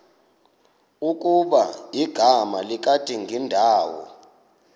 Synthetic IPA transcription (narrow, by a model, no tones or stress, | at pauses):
uk̬ʼuɓajiɡ̥ʱamalik̬ʼatʼiŋɡʱindʱaːwɔ̰